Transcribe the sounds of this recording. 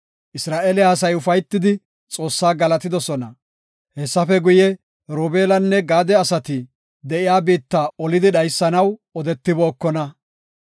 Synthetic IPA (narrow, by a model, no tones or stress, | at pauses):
ʔɪsɾaːʔeːlɪhɐsɐjʊfɐjt̪ːɪd̪ɪ | t͡sʼo̞ːsːaːɡɐlɐt̪ɪd̪ɔsɔnɐ | hɛsːɐfɛɡʊjɛ | ɾoːbe̞ːlɐnːɛɡaːd̪ɛɐsɐt̪ɪ | d̪ɛʔɪjaːbiːt̪ːaːɔlɪd̪ɪɗɐjsːɐnɐwɔd̪ɛt̪ːɪbo̞ːkːɔnɐ